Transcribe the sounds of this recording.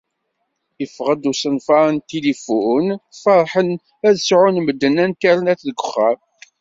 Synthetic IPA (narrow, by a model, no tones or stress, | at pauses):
jəfʁəd̪usənfɑɾˤnt̪ilifunfɑɾˤħən | æðəsʕunməd̪ːənːænt̪æɾənæθðəɡʷəχːæm